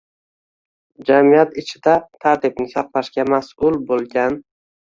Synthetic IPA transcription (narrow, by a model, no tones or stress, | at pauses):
d͡ʒamijat̪ɪt͡ʃʰɪd̪at̪ʰaɾt̪ɪb̚nɪsɑq̚laʃkʲamasʊlˠbolˠɡʲan